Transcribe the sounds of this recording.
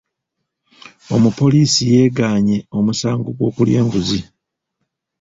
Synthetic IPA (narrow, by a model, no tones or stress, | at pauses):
o̞mupo̞liːsije̞ːɡaːɲe̞o̞musaːŋɡoɡwo̞ːkulje̞ːŋɡuzi